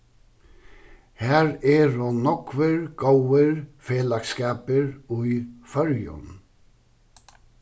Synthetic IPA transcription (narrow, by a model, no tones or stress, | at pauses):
hæːɾɛɾʊnɔkvɪɾɡ̥owɪɾfeːlakskaːpɪɾʊjfœɾjʊ̰n